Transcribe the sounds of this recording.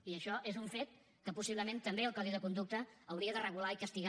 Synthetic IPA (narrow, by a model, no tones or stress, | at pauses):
iəʃɔʔezuɱfet̪̚ | kəpusiβləmẽnt̪əmbeəlˠkɔðiðəkund̪uk̚t̪əːwɾiəðərəɣulaikəst̪iɣ